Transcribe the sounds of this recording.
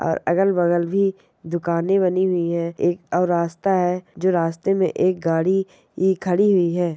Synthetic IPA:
ɔ̰ːɾɐ̰ɡəlbəɣəlbʱi | d̪ʊkaːnẽβɐniɦʊiɦɛeːkɔːɾːaːst̪aɦɛd͡ʒoːɾaːst̪emẽʔeːk̚ɡaːɽi | ikʰəɽiɦʊiɦɛː

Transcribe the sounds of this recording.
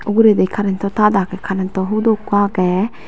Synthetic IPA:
uɡuɾed̪ekʰaɾɛnt̪ɔt̪ad̪akɛkʰaɾɛnt̪ɔɦud̪okãkɛ

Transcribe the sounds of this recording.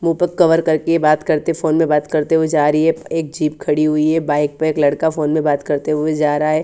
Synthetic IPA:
muːpəkːɐʋəɾkɐɾkejebaːt̪kɐɾt̪efoːnmẽbaːt̪kɐɾt̪eɦued͡ʒaːɾəiɦɛeːk̚d͡ʒiːpkʰɐɽiɦʊiɦɛbaːɪk̚peeːklɐɽkafoːnmẽbaːt̪kɐɾt̪eɦued͡ʒaːɾaɦɛː

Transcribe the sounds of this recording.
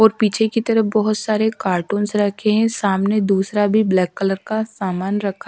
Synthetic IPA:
ɔːɾpiːt͡ʃʰekit̪ɐɾəbɔɦʊt̪saːɾekaːɾʈũːnsɾɐkʰeɦɛ̃saːmned̪uːsɾabʱiblɛːkːələɾkasaːmaːnɾɐkʰa

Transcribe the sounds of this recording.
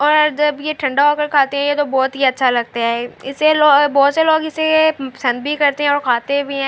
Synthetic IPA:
ɔːɾd͡ʒɐbjeʈʰɐ̃ɳɖaokəɾkʰaːt̪eɦɛ̃jet̪obɔːt̪ɦiɐtːʃʰalɐɡ̚t̪aɦɛɪsːeloːbɔːt̪seloːɡɪsepɐsə̃nd̪bʱikɐɾt̪eɦɛ̃ɔːɾkʰaːt̪ebʱiɦɛ̃ː

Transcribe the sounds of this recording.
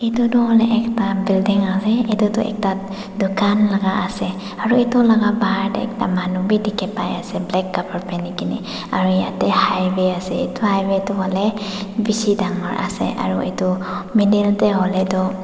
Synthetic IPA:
etutɔhɔlɛʔɛktabildiŋasɛetutʊɛ̰k̚ta | dukanlaɡaasɛ | aɹuetʊlaɡabaɦaɹtɛ̰ɛ̰k̚tamanubidikʰɛpajasɛblɛkːabaɹpɛnikinḭ | aɹujatɛhajwɛasɛḛtuhajwɛtʊɦɔlɛbisidaŋɔɹʔa̰sɛ̰ʔa̰ɹuḛtumidɛltɛɦɔlɛtɔ

